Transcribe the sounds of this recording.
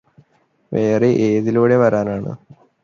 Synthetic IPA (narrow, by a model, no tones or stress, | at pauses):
ʋe̞ːreʔeːðiluːɽe̞ʋɐɾaːnaːɳɨ̰